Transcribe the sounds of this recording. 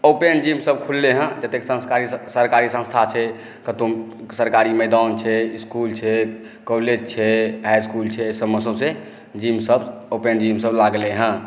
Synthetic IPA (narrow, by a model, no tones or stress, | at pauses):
opend͡ʒimsəb̚kʰulːeɦə̃d͡ʒət̪eksə̃skaɾisəɾkaɾisə̃st̪ʰat͡ʃʰɛ | kət̪omsəɾkaɾiməɪd̪ant͡ʃʰɛiskult͡ʃʰɛ | kɔled͡ʒt͡ʃʰɛɦajskult͡ʃʰɛsəbməsəbse | d͡ʒimsəbopend͡ʒimsəblaɡleɦə̃